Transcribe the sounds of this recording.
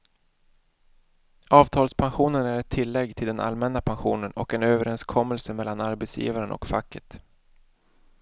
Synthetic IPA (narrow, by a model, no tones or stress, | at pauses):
ɑːvt̪ʰɑːlspʰanɧuːnənæɾɛt̪ʰːɪlːɛɡːt̪ʰɪld̪ɛnʔa̰lmɛnːapʰanɧṵːnənɔ̰kɛnøːvəɾɛnskʰɔmːəlsəmɛlːanaɾbɛt̪sjḭːvaɾənɔ̰kfakːət̪